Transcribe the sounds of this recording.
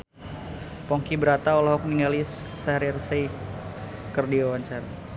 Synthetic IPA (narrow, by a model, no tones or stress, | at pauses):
pɔŋkibəɾat̪aolaɦɔk̚niŋɡalissaɾirsej | kərdiawaɲt͡ʃaɾa